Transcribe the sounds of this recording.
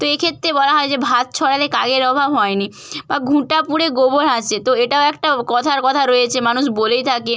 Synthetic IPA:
t̪oekʰet̪ːɾebɔlaɦɔed͡ʑebʱat̪̚t͡ɕʰɔɽaleka̰ɡeɾɔbʱabɦɔeni | baɡʱũʈapuɽeɡoboɾat͡ɕʰet̪oeʈaoɛk̚ʈakɔt̪ʰaɾkɔt̪ʰaɾojet͡ɕʰemanuʃbolejt̪ʰake

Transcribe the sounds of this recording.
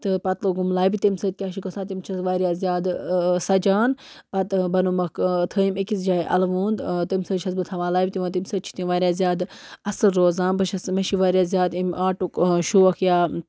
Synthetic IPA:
t̪ɨpɐt̪loɡumlaːbit̪imsət̪̚kʲaːʃikosaːt̪imt͡ʃʰɐsʋaːɾʲijaːzjaːd̪sɐd͡ʒaːn | pɐt̪bɐnumɐkt̪ʰəːimikisd͡ʒaːjʔɐ̰lʋuːnd̪t̪imʲsəːʃʰɐsbɨt̪ʰɐʋaːlaːbʲit̪iʋɐ̃ːt̪imʲsəd̪̚t͡ʃʰi̥t̪iʋaːɾjaːzʲjaːd̪ɐsɨːoːzaːnbɨʃʰɐsmɐʃiʋaːɾjaːzʲjaːd̪imʔaːʈukʃuɐkʰjaː

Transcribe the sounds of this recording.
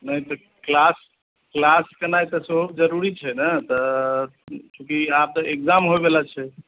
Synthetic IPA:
nəjt̪ɔ | klas | klaskənajt̪əsəɦubd͡ʒəɾuɾit͡ʃʰɛnət̪ɔ | t͡ʃũkiap̚t̪ɔʔekd͡ʒamɦobelat͡ʃʰɛ

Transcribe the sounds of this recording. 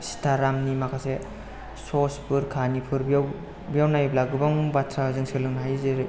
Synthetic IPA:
si̥tʰaɾamnimakʰase | sospʰɯɾkʰanipʰɯɾbijaw | bijawnajblaɡɯbaŋbatʰɾazɯŋsiɡlɯŋnɦajzeɾɯ

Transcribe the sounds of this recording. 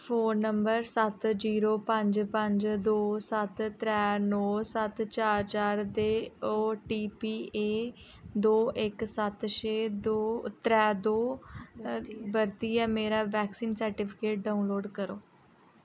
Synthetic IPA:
fʰoːnːəmbəɾsət̪d͡ʒiːɾoːpə̃ɲd͡ʒpə̃ɲd͡ʒd̪oːsət̪ɾɛːnɔːsət̪t͡ʃaːɾt͡ʃaːɾd̪eːoːʈiːpiːeː | d̪oːʔɪksət̪ʃeːd̪oːt̪ɾɛːd̪oː | bəɾt̪iːɛːmeːɾaːʋɛːksiːnsəɾʈɪːpʰɪkeːʈ̚ɖaːunloːɖkəɾoː

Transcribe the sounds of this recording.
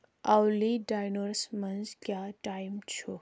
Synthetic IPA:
awliɖajnoɾsmɐnzkjaːʈaːjmt͡ʃʰu

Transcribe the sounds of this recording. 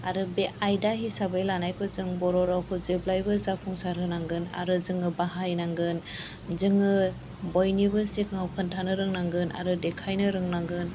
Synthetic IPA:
aɾɯbeʔajdaɦisabajlanajkʰɯzɯŋbɔɾɔɾawkʰɯzeblajbɯzapʰuŋsaɾɦɯnaŋɡɯna̰ɾɯzɯŋɯbaɦajnaŋɡɯn | zɯŋɯ | bɔjnibɯsikʰaŋawkʰɯntʰanɯɾɯŋnaŋɡɯnʔa̰ɾɯdekʰajnɯɾɯŋnaŋɡɯn

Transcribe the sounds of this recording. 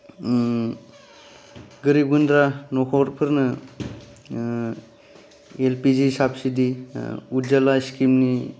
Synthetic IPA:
ɡɯɾibɡɯndɾanɔkʰɔɾpʰɯɾnɯ | elpizisap̚sidiuzalaiskimni

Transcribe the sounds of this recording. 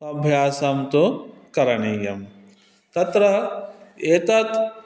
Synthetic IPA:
ɐbʱjaːsɐmt̪okɐɾɐɳijɐm | t̪ɐt̪ɾɐ | eːt̪ɐt̪

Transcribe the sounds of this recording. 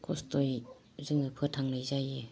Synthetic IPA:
kʰɔstoj | zɯŋɯpʰɯtʰaŋlɯjzaje

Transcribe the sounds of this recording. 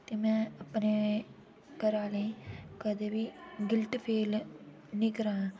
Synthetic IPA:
t̪eːmɛ̃ːəpneː | kəɾaːlekəd̪eːbiːɡɪlʈpʰeːl | nɪkɾãː

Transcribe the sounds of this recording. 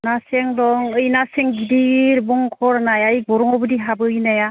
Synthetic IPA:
naseŋdɔŋɯjnaseŋɡidiɾbɔŋkʰɔɾnajajbɔɾɔŋɔbɯdiɦabɯɯjnaja

